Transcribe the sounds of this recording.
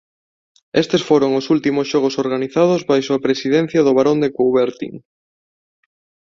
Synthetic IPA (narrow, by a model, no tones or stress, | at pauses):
est̪esfoɾoŋosult̪imosʃɔɣ̞osoɾɣaniθað̞ozβajsoapɾesiðẽn̟θjɐðʊβ̞aɾond̪ekuwβeɾt̪ḭŋ